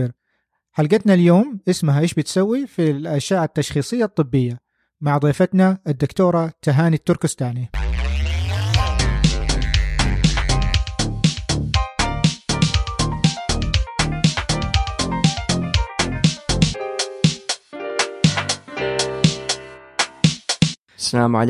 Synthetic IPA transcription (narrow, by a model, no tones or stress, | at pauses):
ɾ | ħalɡat̪naljoːmʔɪsmaɦaʔeːʃbɪt̪sawːifilʔaʃaːʕat̪ːaʃxiːsˤɨjːat̪ˤːɨbːɪjːa | maʕd̪ˤiːfat̪naʔɪd̪ːʊkt̪oːɾˤɑt̪aɦaːnit̪ːʊɾkʊst̪aːni | salaːmʕa̰l